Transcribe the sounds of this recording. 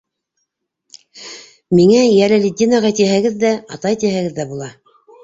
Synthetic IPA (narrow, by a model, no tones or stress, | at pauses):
miŋæjæɾɘlʲid̪ʲːinɑʁɑt̪iɦæɡɘðːæɑt̪ɑjt̪iɦæ̆ɡɘðːæbulˠɑ